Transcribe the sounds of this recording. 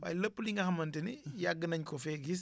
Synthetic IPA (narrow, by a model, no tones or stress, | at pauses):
wa̰jləpːliŋɡɐxɐmɐntinijaɡːənɐɲkɔfɛɡis̬